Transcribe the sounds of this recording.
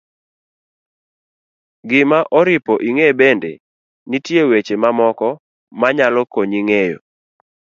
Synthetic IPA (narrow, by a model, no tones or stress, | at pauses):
ɡɪmaʔɔɾɪpɔʔiŋebendḛ | nitjewet͡ʃemamɔkɔ | maɲalɔkoɲiŋejo̰